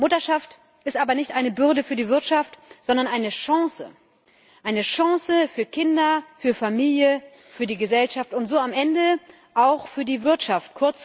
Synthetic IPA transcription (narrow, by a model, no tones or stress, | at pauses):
mʊtɐʃaft | ʔɪstʔaːbɐnɪçtʔaɪnəbʏɐdəfyːɐdiːvɪɐtʃaftz̥ɔndɐnʔaɪnəʃãŋsə̰ | ʔaɪnəʃãŋsəfyːɐkʰɪndɐfyːɐfamiːljə | fyːɐdiːɡəzɛlʃaftʊntz̥oːamʔɛndə | ʔaʊxfyːɐdiːvɪɐtʃaft̚kʰʊɐt͡s